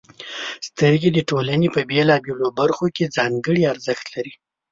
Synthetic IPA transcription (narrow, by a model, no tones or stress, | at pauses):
st̪əɾɡed̪əʈolanepəbelɑbelobaɾxoked͡zɑŋɡəɽiaɾzəxt̪laɾi